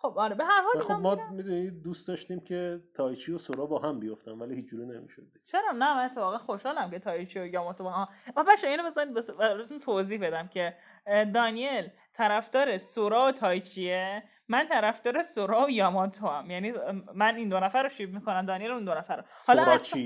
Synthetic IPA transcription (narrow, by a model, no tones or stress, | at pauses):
xobɒɾebeɦæɾhɒːlxobmɒmid̪unid̪ust̪d̪ɒːʃt̪imcʲʰet̪ʰɒːjt͡ʃʰiosoɾɒːbɒːhæmbijoft̪ænvælihiːt͡ʃʰd͡ʒuːɾinemḭʃo̰d̪it͡ʃʰeɾɒnæmænet̪ʰːefɒːɣænxoʃhɒːlæmcʰe̞t̪ʰɒjit͡ʃʰiojɒmɒt̪ʰobɒhæbæʃoiːnobezɒːnid̪̚besbeɾet̪unt̪ʰoziːhbe̞d̪æmcʰe̞ | d̪ɒːnie̞l | t̪ʰæɾæfd̪̥ɒːɾe̞soɾɒːot̪ʰɒːjt͡ʃʰie | mænt̪ʰæɾæfd̪ɒːɾe̞soɾɒːojɒːmɒt̪ʰoæmjæniːmænind̪onæfæɾːoʃib̚mikonæmd̪ɒːnielund̪onæfæɾohɒlɒɾt͡ʃʰi